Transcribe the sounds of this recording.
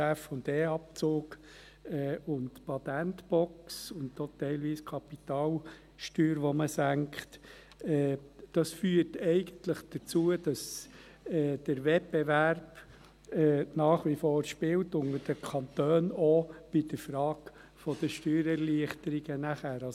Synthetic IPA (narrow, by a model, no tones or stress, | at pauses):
æfʊndeːɑp̚t͡soːk | ɛːʊntpɑt̪æntbɔksʊntot̪ɛɪlʋiːskʰɑpit̪ɑːl | ʃtyːɾʋɔməsæŋkχt | ɛd̥ɑsfyːəɾtɛɪɡ̥ənt̪ləχd̥ət͡suəd̥ɑs | ɛːd̥əɾʋɛp̚bevæɾb̥ | ɛnɑːχʋifɔːɾʃpɪltʊŋəd̥əkʰɑnt̪øːnɔb̥ɪd̥əɾfɾɑːk | fɔd̥əʃtyːɾɛɾliəχtəɾiɡənæχæːɾɑ